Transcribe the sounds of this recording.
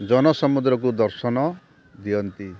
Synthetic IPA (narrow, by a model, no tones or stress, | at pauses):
d͡ʒɔnɔsɔmud̪ɾɔk̬ud̪ɔɾsɔnɔ | d̪iɔnt̪i